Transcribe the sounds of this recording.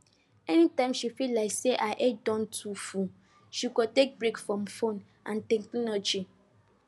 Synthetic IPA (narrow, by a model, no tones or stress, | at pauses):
ɛnĩtãmʃifilaɪkseʔaʔedɔ̃ntʰufu | ʃikɔtek̚bɾekfɾɔ̃mfõn | ã̰ntɛ̃ŋkninɔd͡ʒi